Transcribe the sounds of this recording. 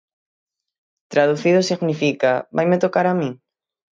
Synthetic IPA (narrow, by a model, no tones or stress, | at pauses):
t̪ɾaðuθiðʊsiɣnifikabajmet̪okaɾamĩŋ